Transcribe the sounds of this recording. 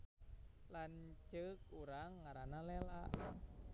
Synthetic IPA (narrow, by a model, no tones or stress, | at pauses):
lant͡ʃɨkuɾaŋːaɾanalɛlaʔ